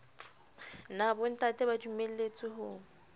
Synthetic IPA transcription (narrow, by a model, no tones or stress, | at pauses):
nabʊn̩tʼatʼɛbadumel̩let͡sʼɪhʊː